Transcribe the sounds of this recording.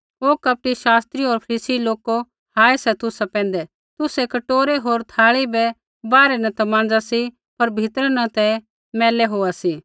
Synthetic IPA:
oːkɐp̚ʈiʃaːst̪ɾioːɾpʰɐɾiːsiloːko | haːesɛt̪ʊsapɛ̃ːn̆d̪ɛ | t̪ʊsɛkɐʈoːɾeɦoːɾt̪ʰaːɭibɛ | baːɾɛnɐ̃t̪ɐmãːn̆d͡zasi | pɐɾbʱɪt̪ɾnɐt̪ɛ̃ | mɛːlɛɦoːasiː

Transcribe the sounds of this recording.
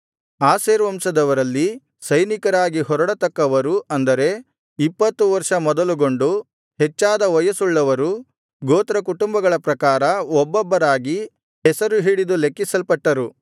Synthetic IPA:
aːseːɾʋɐmsɐd̪ɐʋɐɾɐlːi | sɐjnikɐɾaːɡiɦɔɾɐɽɐt̪ɐkːɐʋɐɾuʔɐnd̪ɐɾe̞ | ipːɐt̪ːuʋɐɾʂɐmɔd̪ɐluɡo̞ɳɖu | hɛt͡ʃːaːd̪ɐʋɐjɐsuɭːɐʋɐɾu | ɡoːt̪ɾɐkuʈumbɐɡɐɭɐpɾɐkaːɾɐɔbːɔbːɐɾaːɡi | ɦɛsɐɾuɦiːɽid̪ulekːisɐlpɐʈːɐɾu

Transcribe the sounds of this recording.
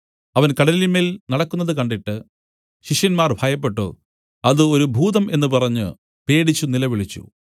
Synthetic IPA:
ɐʋɐnkɐɽɐliimeilnɐɽɐkːunːɐðɨkɐɳɖiʈːɨ | ɕiʂjɐnmaːrbʱaːjɐpːe̞ʈːo̰ | ɐðɨo̞ɾubʱuːðɐme̞nːɨpɐrɐɲːɨ̰ | pe̞ːɽit͡ɕːunilɐʋiɭit͡ɕːṵ

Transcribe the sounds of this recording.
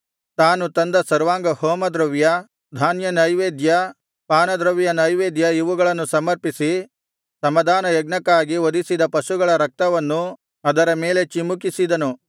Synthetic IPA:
t̪aːnut̪ɐnd̪ɐsɐɾʋaːŋɡɐhoːmɐd̪ɾɐʋjɐ | d̪ʱaːnjɐnɐjʋeːd̪jɐ | paːnɐd̪ɾɐʋjɐnɐjʋeːd̪jɐiʋuɡɐɭɐnːusɐmɐɾpisi | sɐmɐd̪ʱaːnɐjɐɡnɐkːaːɡiʋod̪isid̪ɐpɐsuɡɐɭɐɾɐk̚t̪ɐʋɐnːu | ɐd̪ɐɾɐme̞ːle̞t͡ʃimuk̬isid̪ɐnu

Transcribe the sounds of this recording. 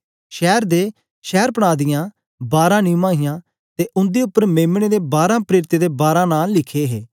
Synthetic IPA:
ʃɛːɾd̪eː | ʃɛːɾpəɽ̃aːd̪ɪjãː | baːɾãːnĩːmãːɦɪjãː | t̪eːʔʊ̃nd̪eːʊpːəɾmẽːmɽ̃eːd̪eːbaːɾãːpɾeːɾɪt̪eːd̪eːbaːɾãːnaːlɪkʰeːɦḛː

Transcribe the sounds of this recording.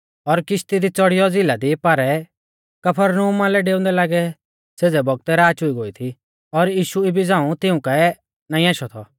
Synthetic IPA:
ɔɾkɪʃt̪id̪it͡sɔɽɪjɔd͡zɪlad̪ipaɾɛ | kɐpʰəɾnəɦumalɛɖeːʊ̃nd̪ɛlaːɡɛ | seːd͡zɛbɔɡ̚t̪ɛɾaːt͡ʃʊiɡoːit̪ʰi | ɔɾjiːʃuibʱid͡zãːũt̪ɪũka | naːĩaːʃɔt̪ʰɔ

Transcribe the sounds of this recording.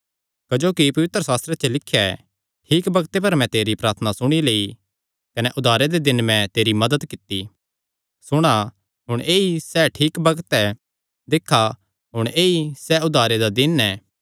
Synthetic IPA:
kɐd͡ʒoːkipɐʋɪt̪ɾəsaːst̪ɾet͡ʃelɪkʰːjaɛ | ʈʰiːkbɐɡt̪ep̬ɐɾmɛ̃t̪eːɾipɾaːt̪ʰnasʊɽ̃ileːi | kɐnɛʔʊd̪ʱaːɾed̪ed̪ɪnmɛ̃t̪eːɾimɐd̪əd̪kɪt̪ːi | sʊɽ̃a | ɦʊɽ̃eːisɛːʈʰiːkbɐɡt̪ɛ | d̪ɪkʰːa | ɦʊɽ̃eːisɛʊd̪ʱaːɾed̪ad̪ɪnɛː

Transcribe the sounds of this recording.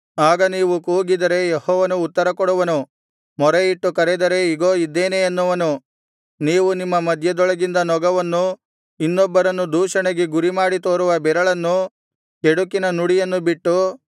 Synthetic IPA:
aːɡɐniːʋukuːɡid̪ɐɾe̞jehɔːʋɐnuːt̪ːɐɾɐkɔɽuʋɐnu | mɔɾeiʈːukɐɾɛd̪ɐɾe̞iɡo̞ːid̪ːe̞ːneɐnːuʋɐnu | niːʋunimːɐmɐd̪ʱjɐd̪ɔɭɐɡind̪ɐnɔɡɐʋɐnːu | inːɔbːɐɾɐnːud̪uːʂɐɳeɡeɡuɾimaːɽit̪oːɾuʋɐbɛɾɐɭɐnːu | keɽukinɐnuɽijɐnːubiʈːu

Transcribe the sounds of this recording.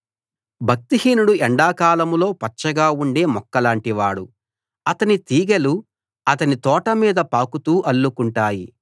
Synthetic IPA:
bʱɐk̚t̪iɦiːnuɽuɛɳɖaːkaːlɐmlo̞ːpɐt͡ʃːɐɡaːuɳɖe̞ːmɔkːɐlaːɳʈiʋaːɽu | ɐt̪ɐnit̪iːɡelu | ɐt̪ɐnit̪ɔːʈɐmiːd̪ɐpaːkut̪uːʔɐlːukuɳʈaːji

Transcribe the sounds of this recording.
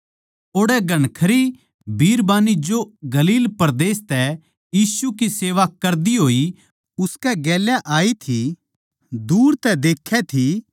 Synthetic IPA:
oːɽɛɡʱɐɽ̃kʰɐɾi | bʱiːɾbaːnid͡ʒoɡɐliːlpɐɾd̪eːst̪ɛ | jiːsukiseːʋakɐɾd̪iɦoːi | ʊskɛɡɛːljaʔaːit̪ʰi | d̪uːɾt̪ɛd̪eːkʰːɛt̪ʰi

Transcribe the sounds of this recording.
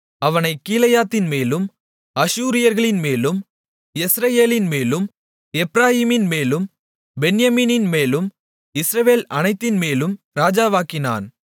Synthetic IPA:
ɐʋɐnɐɪkːiːlɐjaːt̪ːɪnmeːlɯm | ɐʃuːɾɪjɐɾɣɐɭɪnmeːlɯm | ɪsɾɐjeːlɪnmeːlɯm | ɛpɾaːɦiːmɪnmeːlɯm | bɛnjɐmiːnɪnmeːlɯm | ɪsɾɐʋeːlɐnɐɪt̪ːɪnmeːlɯm | ɾaːd͡ʒaːʋaːkɪna̰ːn

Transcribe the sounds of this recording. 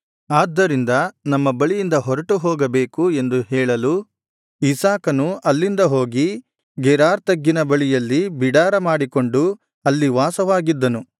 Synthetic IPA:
aːd̪ːɐɾind̪ɐnɐmːɐbɐɭijind̪ɐɦɔɾɐʈuɦɔːɡɐbe̞ːkue̞nd̪uɦɛːɭɐlu | isaːkɐnuɐlːind̪ɐɦo̞ːɡi | ɡɛɾaːɾt̪ɐɡːinɐbɐɭijɐlːibiɽaːɾɐmaːɽiko̞ɳɖu | ɐlːiʋaːsɐʋaːɡid̪ːɐnu

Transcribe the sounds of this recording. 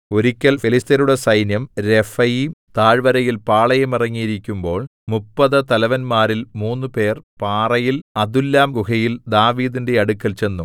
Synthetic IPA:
o̞ɾikʲːɐlfilist̪ɐɾuɽesɐjnjɐmɾe̞fɐjimt̪aːɻʋɐɾɐjilpaːɭɐjɐmirɐŋːijiɾikʲːumbo̞ːɭmupːɐðɨt̪ɐlɐʋɐnmaːɾilmuːnːɨpe̞ːrpaːrɐjilɐd̪ulːaːmɡukɐjild̪aːʋiːd̪inde̞ɐɽukːɐlt͡ɕe̞nːu

